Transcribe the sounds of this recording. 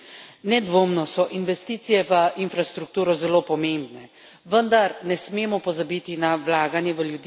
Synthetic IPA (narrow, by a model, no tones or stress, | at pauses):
nɛd̪ʋoːmnɔsɔʔinʋɛst̪iːt̪sijɛʋəinfɾast̪ɾuk̚t̪uːɾɔzɛloːpɔmembnɛ | ʋənd̪aɾnɛsmeːmɔpɔzabiːt̪inaʋlaːɡanjɛʋəljud̪